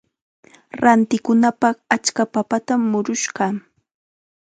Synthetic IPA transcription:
ɾant̪ɪkʊnapɑχat͡ʃkapapat̪amːʊɾʊʃɢɑ

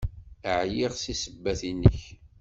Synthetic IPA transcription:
əʕjiʁsisəbːæθinːə̰ç

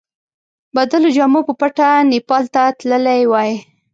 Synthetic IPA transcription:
bad̪əlod͡ʒɑmopəpaʈanipɑlt̪at̪ləlajwɑj

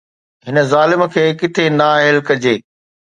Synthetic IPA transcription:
ɦɪnə̆zaːlɪmkʰeːkɪt̪ʰenaːɦɪlkɐd͡ʑeː

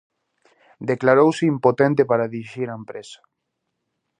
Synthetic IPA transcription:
d̪eklaɾowseimpot̪ẽnt̪epaɾaðiɾiʃiɾaempɾesḁ

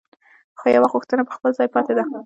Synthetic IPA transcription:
xojawaɣuxt̪ənapə̥xpəlzɑjpɑt̪ed̪a

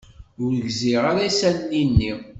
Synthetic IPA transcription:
ʊɾəʝziʁaɾasænːinːi

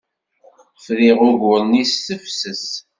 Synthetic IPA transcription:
fðiʁʊʝʊɾnisːəfsəs

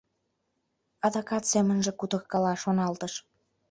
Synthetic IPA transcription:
ɑd̪ɑkɑt̪semənʒĕkut̪ə̆kkɑlɑʃonɑlt̪əʃ

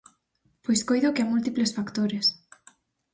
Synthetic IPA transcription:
pojskojðokɪamult̪iplesfakt̪oɾes

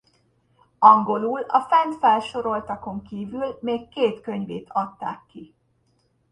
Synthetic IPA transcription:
ɒŋɡo̞luːlɒ̰fɛnt̪fɛlʃo̞ɾo̞lt̪ɒko̞ŋkiːvylmeːkːeːt̪køɲveːt̪ʰɒt̪ːa̰ːkːi

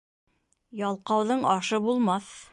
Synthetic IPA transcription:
jɑlˠqɑwðɤɴɑʃɤbulˠmɑθ

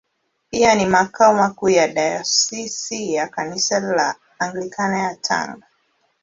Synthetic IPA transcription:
pianimakaɔmakuːjaɗajɔsisijakanisalaː | ŋɡlikanajatʰa̰ŋɡa

